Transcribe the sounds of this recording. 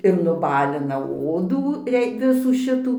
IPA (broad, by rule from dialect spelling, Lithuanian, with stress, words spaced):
ɪr nʊˈbɑːlʲɪnɐ ˈoːduː ˈrʲɛɪ ˈʋʲɪsuː ˈʃʲɪtuː